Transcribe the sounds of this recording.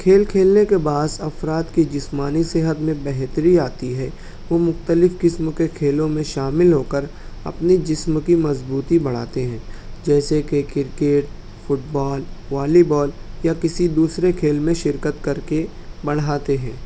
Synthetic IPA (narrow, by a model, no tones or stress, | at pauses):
kʰeːlkʰeːlnekebaːsɐfɾaːt̪kid͡ʒɪsmaːniseɦət̪mẽbɛɦt̪əɾiaːt̪iɦɛ | ʋomʊxt̪əlɪfkɪsmkekʰeːlõmẽʃaːmɪlɦoːkəɾ | ɐ̰pnid͡ʒɪsmkimɐzbuːt̪ibɐɽ̤a̰ːt̪eɦɛ̃ːd͡ʒɛːsekekɪɾkeːʈ̚ | fʊʈ̚bɔːlʋaːlibɔːljakɪsid̪uːsɾekʰeːlmẽʃɪɾkət̪kɐɾke | bɐɽ̤aːt̪eɦɛ̃ː